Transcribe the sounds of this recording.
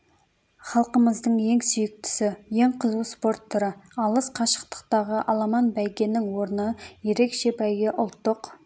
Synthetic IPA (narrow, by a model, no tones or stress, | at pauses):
χɑlˠqəməzd̪əɴje̞ŋsʏjɪk̚t̪ɪ̥sɪje̞ŋqʰəzuspo̞ɾt̪ʰːʊɾəɑlˠəsqʰɑʃə̥q̚t̪ə̥q̚t̪ɑʁəʔɑlˠɑmɑnbæjɡʲe̞nːɪŋwo̞ɾnəje̞ɾe̞kʃe̞bæjɡʲɪʔʊlˠt̪ːəq